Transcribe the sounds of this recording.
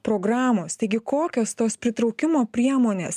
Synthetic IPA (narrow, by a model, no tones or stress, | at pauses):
pɾoːɡɾɑːmoːst̪ɐɪɡʲɪkoːkʲoːst̪oːspʲɾʲɪt̪ɾɐʊkʲɪmoːpʲɾʲiɛmoːnʲeːs